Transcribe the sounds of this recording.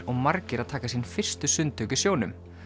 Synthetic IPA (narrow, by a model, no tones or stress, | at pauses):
ɔɣmaɾcɪɾaðt̪ʰaːkasinfɪr̥st̪ʏsʏnt̪ʰœwcʏsjoːwnʏm